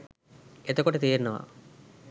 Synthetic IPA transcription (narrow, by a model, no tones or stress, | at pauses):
et̪ɐkːoʈːet̪iːnːɐʋa̰